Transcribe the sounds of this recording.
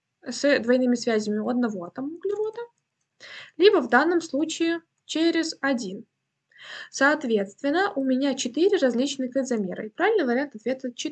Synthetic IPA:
sd̪vɐjnɨmʲɪsvʲæzʲɪmʲɪʊɐd̪̚nɐvo̞ɐt̪əmʊɡlʲɪɾod̪ə | lʲibəvd̪anːəmslˠut͡ɕɪɪ | t͡ɕeɾʲɪzɐdʲin | sɐːt̪vʲe̞t̪st̪vʲɪnːəʔʊmʲɪnʲat͡ɕɪt̪ɨɾʲɪɾɐzʲlʲit͡ɕnɨkəzɐmʲe̞̰ɾə̰ipɾavʲɪlʲnəɡvɾʲant̪ɐt̪vʲet̪̚ʲt͡ɕɪ

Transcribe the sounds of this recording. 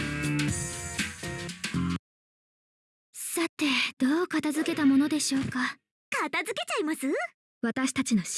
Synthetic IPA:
sat̪ːe̞d̪̥o̞ːkat̪azɨke̞t̪amo̞no̞d̪e̞ɕo̞ːka | kat̪azɨke̞t͡ɕaimasɨ | βat̪aɕi̥t̪at͡ɕino̞ɕ

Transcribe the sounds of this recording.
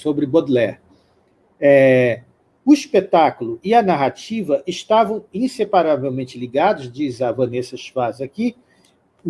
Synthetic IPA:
sobɾɪbod̪lɛ | ɛ | ʊispet̪akʊlʊɪɐnaɦat͡ʃivɐʔɪʃt̪avɐ̃w̃ĩsepaɾavewmẽnt͡ʃɪliɡad̪ʊzd͡ʒizavɐ̃nesɐʃazaki

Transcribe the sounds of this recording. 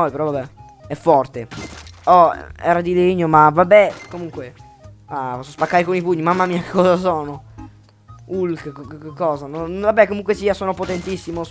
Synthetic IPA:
ɔjpeɾɔvabɛ | ɛfːɔrt̪eɔɛ̰ɾad̪ileɲːomavabːɛkomuŋkwe | aɔsɔspakːaːjkonipuɲːimamːamiːake̥kːɔzas̬ɔːno | ulkkkekːɔːzanonvabːɛkːomuŋkwesiːasoːnopot̪ent̪isːimo

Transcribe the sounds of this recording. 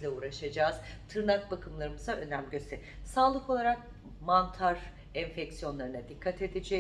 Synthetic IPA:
lʲɛuːɾaʃad͡ʒaːz̥t̪ʰɯɾnak̚bakʰɯmlˠaɾɯmɯzaø̞næmɟøsɛsaːlˠɯko̞lˠaɾak̚ | mant̪ʰaɾ | ɛɱfɛcsijo̞nlˠaɾɯnad̪ikʰːat̪ʰe̞d̪ed͡ʒɛ

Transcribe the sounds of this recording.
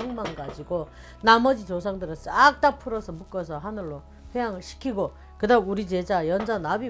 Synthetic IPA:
uŋmanɡad͡ʑiɡo | namʌd͡ʑit͡ɕos̬ʰaŋdɯɾɯt͡ɕ͈ak̚t͈apʰɯɾʌsʰʌmuk͈ʌs̬ʰʌɦanɯɭːo | ɸejaŋɯɭɕʰi̥kʰiɡo | kɯdauɾit͡ɕe̞d͡ʑajʌnd͡ʑanabi

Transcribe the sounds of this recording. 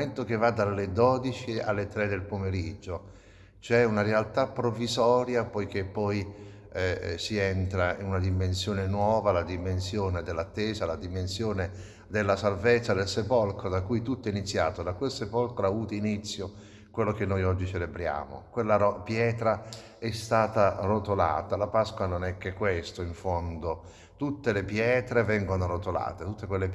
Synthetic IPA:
ent̪ok̟evːad̪ːalːed̪ɔːd̪it͡ʃia̰lːet̪ɾed̪elpomeɾid͡ʒːo | t͡ʃɛunaɾealt̪apːɾovizɔːɾjapɔjk̟epːɔj | ɛsiɛnt̪ɾainunad̪imensjoːnenwɔːvalad̪imensjoːned̪elːat̪ːeːzalad̪imensjoːne | d̪elːasalvet̪sːad̪elsepɔlkɾod̪akːujt̪ut̪ːɛinit̪sːjaːt̪od̪akwelsepɔlkɾoauːt̪init̪sːjo | kwelːokenːɔjɔd͡ʒːit͡ʃelebɾja̰ːmo̰kwelːaɾɔpjɛːt̪ɾa | ɛst̪aːt̪arot̪ola̰ːt̪alapaskwanonɛkːekːwest̪oiɱfɔnd̪o | t̪ut̪ːelepjɛːt̪ɾevɛŋɡonorot̪ola̰ːt̪et̪ut̪ːekwelːe

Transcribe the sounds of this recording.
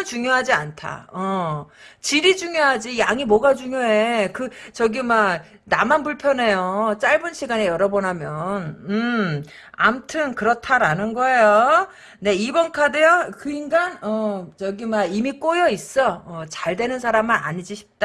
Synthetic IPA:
t͡ɕuŋjoɦad͡ʑiantʰa̰ʌ | t͡ɕiɾid͡ʑuŋjoɦad͡ʑijaŋimwʌɡad͡ʑuŋjoekɯt͡ɕʌɡima | namanpuɭpʰjʌne̞jot͡ɕ͈aɭbɯnɕʰiɡanejʌɾʌbʌnɦamjʌnɯ | a̰mtʰɯnkɯɾʌtʰaɾanɯnɡʌe̞jo | ne̞ibʌnkʰadejʌkɯiŋɡanʌt͡ɕʌɡimaimik͈ojʌis͈ʌʌt͡ɕaɭdwe̞nɯnsʰaɾamɯna̰ɲid͡ʑiɕʰi̥p̚t͈a

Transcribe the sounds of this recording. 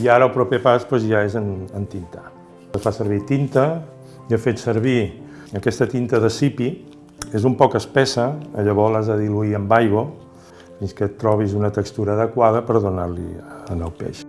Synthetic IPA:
iaɾəlˠpɾupepaspwezʒaezənənt̪int̪ḁ | əsfasəɾβ̞it̪int̪ə | jəfet̪səɾβi | əkɛst̪ət̪int̪əðəsipi | ezumpɔkəspɛsəːʎəβɔlazðəðiluiəmbajɣo | finskət̪ːɾɔβ̞izunət̪əkst̪uɾəːðəkwaðəpəɾðunaɾlḭənəwpḛʃ

